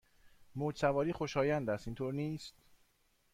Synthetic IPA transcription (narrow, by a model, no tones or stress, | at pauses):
moːd͡ʒsævɒːɾiːxo̞ʃɒːjænd̪æst̪iːnt̪ʰoːɾniːst̪